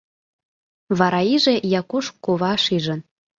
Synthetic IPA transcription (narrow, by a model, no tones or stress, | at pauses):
βɑɾɑiʒejɑkuʃkoβɑʃiʒən